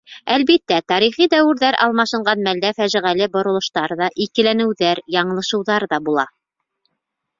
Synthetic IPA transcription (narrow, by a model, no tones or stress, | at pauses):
ælβit̪ːæt̪ɑɾiχid̪æwɘ̆ɾðæɾʔɑ̰lˠmɑʃɤ̆ɴɢɑnmæld̪æfæʒɘ̆ʁælɘbŏɾŏlˠŏʃt̪ɑɾðɑʔikɘ̆lænɘ̆wðæɾjɑɴɤ̆lˠɤ̆ʃɤ̆wðɑɾðɑbulˠɑ̰